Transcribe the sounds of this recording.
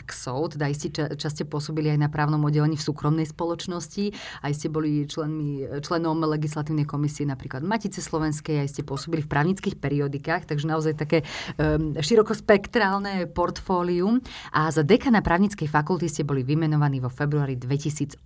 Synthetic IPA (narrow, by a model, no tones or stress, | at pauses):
ksɔʊt̪ɛd̪aiscɛat͡ʃascɛpʊɔsɔbiliajnapɾaːʊnɔmɔdːɛlɛɲiːfsuːkɾɔmnɛjspɔlɔt͡ʃnɔsci | aiscɛbɔlit͡ʃlɛnmit͡ʃlɛnɔmlɛɡislat̪iːʊn̪ɛjkɔmisiɛnapɾiːklad̪macit͡sɛslˠɔʋɛnskɛjaiscɛpʊɔsɔbilifpɾaːʊɲit͡skiːxpɛɾiɔd̪ikaːxt̪aɡʒɛnaɔzajt̪akɛː | ʃiɾɔkɔspɛkt̪ɾaːlnɛpɔɾt̪fɔːliumʔazad̪ɛkanapɾaːʊɲit͡skɛjfakult̪iscɛbɔliʋimɛnɔʋaniːʋɔfɛbɾuaːɾid̪ʋɛcisiːd͡z